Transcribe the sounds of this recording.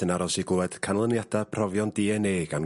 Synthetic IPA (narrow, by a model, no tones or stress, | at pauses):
ənaɾɔsiɡʊɛd̥kʰanlˠənjadapʰrɔvjɔndiɛneːɡan